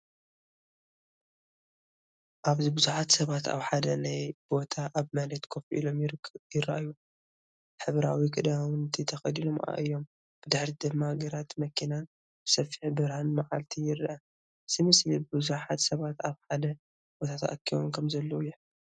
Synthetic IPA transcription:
ʔaβzibɨzuħat̪sɐβat̪a̰βħad̪ɐnajbo̞t̪ʰaʔaβmalɐt̪kʰofʔḭlo̞mjjɪɾːɐ̰ʔju | ħɨβɾawikʰʼɨd̪awɨnt̪ʰit̪ʰɐxɐd̪ilomʔa̰ʔɨjːo̞m | b̥ɨd̪ɨħɾid̪ɨmːaɡɐɾat̪mɐkʰinan | b̥ɨsɐfiħbɨɾhanmaʕalt̪ʰijɪɾʔɐ | z̥imɨslibɨbɨzuħat̪sɐβat̪aβħad̪ɐ | b̥ot̪ʰat̪ʰa̰ʔkʰːiβo̰mkʰɐmzɐlːɐwjħ

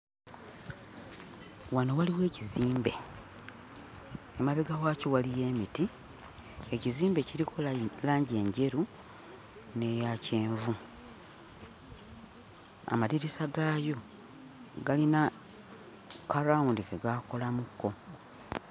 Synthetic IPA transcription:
wanowaliwe̞ːciziːmbe̞̰ | emaβeɡaɣwaːcowalije̞ːmiti | eciziːmbe̞ciɾikʰollaːɲɟe̞ːɲɟe̞ɾu | ne̞jace̞ːɱvu | a̰maliɾisaɡaːjo̞ | ɡalina | kaɾaundikeɡako̞lamukːo̞

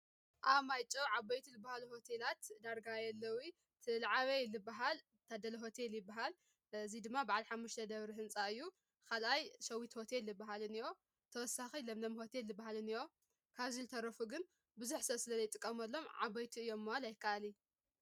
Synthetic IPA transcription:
ʔaβmajt͡ʃʼoʕabɐjt̪ʰilɨbahaluho̞t̪ʰelat̪d̪aɾɡajɛlːɐwi | t̪ʰɨlaʕaβelɨbːaɦal | t̪ʰad̪ɐlɐɦo̞t̪ʰe̞ljɪbːaɦal | ɨzid̪ɨmːabaʕalħamːuʃt̪ʰɐd̪ɐβɾiɦɨnt͡sʼaɨjːu | kʰalʔajʃɐwit̪ho̞t̪ʰe̞lːɨbaɦalɨnɨjo̞ | t̪ʰɐwɔsaxilɐmnɐmho̞t̪ʰelːɨbːaɦalɨnɨjo̞ | kʰaβzilt̪ʰɐɾɐfuɡɨn | bɨzuħsɐsɨlɐzɐjt̪ʼɨkʼːɐmɐlːo̞mʕa̰bɐjt̪ʰiɨjːo̞mːahalajɪkʰːaʔali

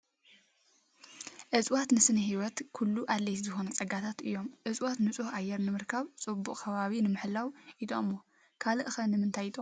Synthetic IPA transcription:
ʔɨzʼwat̪nɨsɨnɨɦiwɔt̪kʰulːuʔalːɐjt̪zɨxo̞nɐt͡sʼɐɡat̪ʰat̪ɨjːo̞mʔɨsʼwat̪nɨt͡sʼuhajːɛɾnɨmɨɾkʰaβt͡sʼɨbːukʼkʰɐβaβinɨmɨħlawʔid̪omo | kʰalɨʔɨxɐnɨmɨnt̪ʰajit̪ʼo

